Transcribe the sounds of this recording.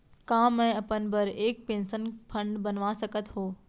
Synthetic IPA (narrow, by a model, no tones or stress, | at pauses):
kãːmɛ̃ɐpənbɐɾeːk̚pẽːnsənfʰɐ̃ɳɖbɐnʋasɐkət̪ɦoː